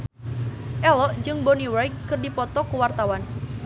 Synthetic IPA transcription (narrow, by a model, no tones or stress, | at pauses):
ʔɛlɔʔd͡ʒɨŋbɔniwajkːɨrdipɔt̪ɔkəwart̪awan